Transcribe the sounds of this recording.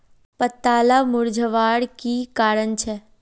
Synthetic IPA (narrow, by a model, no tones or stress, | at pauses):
pət̪ːaːlamʊɾd͡ʒəʋaɽkikaːɾəɳt͡ʃʰe